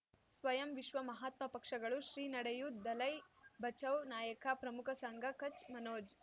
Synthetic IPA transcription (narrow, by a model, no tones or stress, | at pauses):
sʋɐjɐmʋiʃʋɐmɐɦaːt̪mɐpɐkʂɐɡɐɭuʃɾiːnɐɽɐjud̪ɐlɐjbʱɐt͡ʃɐwnaːjɐkɐpɾɐmukʰɐsɐŋɡɐkɐt͡ʃmɐnoːd͡ʒ